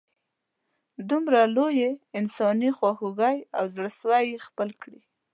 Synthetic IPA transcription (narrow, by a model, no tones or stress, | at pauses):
d̪umɾalojeɪnsɑnixwaxuɣajawzɽəswajxpəlkɽi